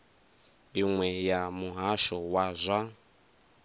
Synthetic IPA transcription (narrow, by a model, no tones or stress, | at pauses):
iŋwɛjamuɦaʃɔwazʷa